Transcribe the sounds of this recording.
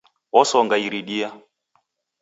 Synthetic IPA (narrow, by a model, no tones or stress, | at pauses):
ɔsɔŋɡaiɾiɗia